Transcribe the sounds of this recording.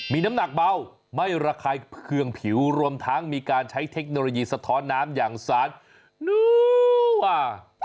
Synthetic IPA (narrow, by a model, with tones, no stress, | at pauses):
miː˧na˦˥mna˨˩k̚ba˧˩w | ma˥˩jɾaː˧kʰaː˧jkʰɯ˧əŋpʰi˨˩˦wɾu˧əmt̪ʰa˦˥ŋmiː˧kaː˧nt͡ɕʰa˦˥jt̪ʰe˦˥k̚noː˧loː˧jiː˧sa˧t̪ʰɔː˦˥nːaː˦˥mjaː˨˩ŋsaː˨˦n̚ | nuː˧˥ | a˧˩